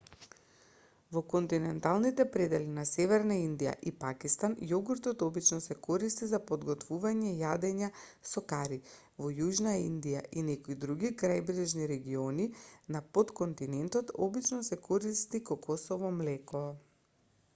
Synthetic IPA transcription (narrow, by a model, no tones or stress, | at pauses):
vɔkɔnt̪inɛnt̪alˠnit̪ɛpɾɛd̪ɛlinasɛvɛɾnaind̪ija̰ʔipakist̪anjɔɡuɾt̪ɔt̪ɔbit͡ʃnɔsɛkɔɾist̪izapɔd̪ɡɔt̪vuvaɲɛjad̪ɛɲasɔkaɾi | vɔjuʒnaind̪ijaʔinɛkoid̪ɾuɡikɾajbɾɛʒniɾɛɡiɔninapot̪kɔnt̪inɛnt̪ɔt̪ɔbit͡ʃnɔsɛkɔɾist̪ikɔkʰɔsɔvɔmlɛkɔ